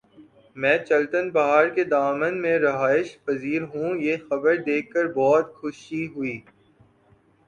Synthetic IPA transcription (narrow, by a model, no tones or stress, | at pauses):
mɛ̃ːt͡ʃɐlt̪ənbɐɦaːɾked̪aːmənmẽɾɐɦaːɪʃpɐziːɾɦũjexɐbəɾd̪eːkʰːəɾbɔːt̪xʊʃiɦʊiː